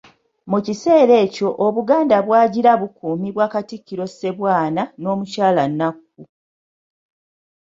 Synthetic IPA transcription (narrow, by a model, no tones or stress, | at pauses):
mucise̞ːɾe̞ːco̞ʔoβuɡaːndaβwaːɟiɾaβukuːmiβwaːkatikːiɾo̞se̞βwaːnano̞ːmucaːlanːak̚ː | u